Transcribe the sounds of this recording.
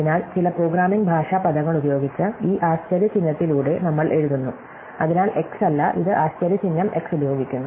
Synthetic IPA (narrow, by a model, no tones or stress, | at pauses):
inaːlt͡ɕilɐproːɡɾaːmiŋɡbʱaːʂaːpɐd̪ɐŋːɐɭubɐjo̞ːɡit͡ɕːɨiːʔaːɕt͡ɕɐɾjɐt͡ɕinːɐt̪ːiluːɽe̞nɐmːɐɭʔe̞ɻuðunːu | ɐðinaːlʔe̞ksɐlːɐʔiðɨʔaːɕt͡ɕɐɾjɐt͡ɕinːɐme̞ksubɐjo̞ːɡikʲːunːu